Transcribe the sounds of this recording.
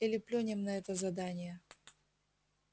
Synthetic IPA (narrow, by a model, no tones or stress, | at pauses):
ɛlʲɪplʲonʲɪmnɐɛt̪əzɐd̪anʲɪjə